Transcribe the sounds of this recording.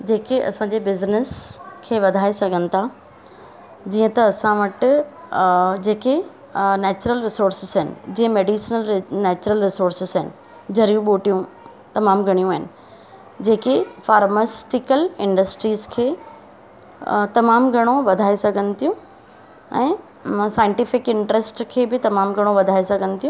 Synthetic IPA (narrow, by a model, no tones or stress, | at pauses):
d͡ʑeːkeʔɐ̰sãːɲd͡ʑeːbɪznɪskʰeːʋɐd̪ʱaːesɐɡʱənɪ̆t̪ʰa | d͡ʑiːə̃t̪ɐːsãʋɐʈ | d͡ʑeːke | nɛːt͡ɕɾəlɾɪsoːɾsɪzɦɪnɪ̰d͡ʑĩːə̃meːɖisnəlnɛːt͡ɕʊɾəlɾɪsoːɾsɪzɦɪnɪ̆ | d͡ʑɐɾijũɓoːʈijũ | t̪ɐmaːmɡʱɐɽ̃ijũɦɪnɪ̆ | d͡ʑeːkefaːɾmasʈɪkəlɪ̃ɳɖəsʈɾiːzkʰeː | t̪ɐmaːmɡʱɐɽ̃oʋɐd̪ʱaːesɐɡʱənɪ̆t̪ʰijũ | ɛ̃ː | saːɪ̃ɳʈɪfɪkɪ̃ɳʈɾesʈkʰeːbɪt̪ɐmaːmɡʱɐɽ̃oʋɐd̪ʱaːesɐɡʱənɪ̆t̪ʰijũ